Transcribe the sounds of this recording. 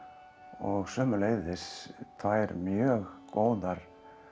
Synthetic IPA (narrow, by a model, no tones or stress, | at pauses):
ɔɣsœːmʏleːjðɪst̪ʰaɛɾmjœːɣkoːwðaɾ̥